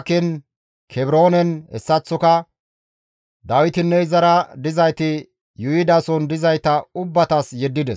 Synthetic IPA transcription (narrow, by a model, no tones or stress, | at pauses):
kɪn | kʰɛbɾo̞ːnɛnɛsːɐt͡sːɔkɐ | d̪ɐwɪt̪ɪnːɛɪzɐɾɐd̪ɪzɐjt̪ɪ | jʊjɪd̪ɐsɔnd̪ɪzɐjt̪ɐʊbːɐt̪ɐsjɛd̪ːɪd̪ɛs